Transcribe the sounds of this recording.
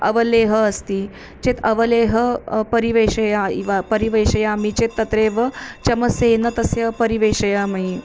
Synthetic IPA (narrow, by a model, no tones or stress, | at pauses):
ɐʋɐleːɦəːst̪iː | t͡ɕet̪ɐʋɐleːɦəpɐɾiʋeːɕɐjaiʋapɐɾiʋeɕɐjamit͡ʃet̪ːɐt̪ɾeːʋət͡ʃɐməseːnɐt̪ɐsepɐɾiʋeːʃɐjamɐi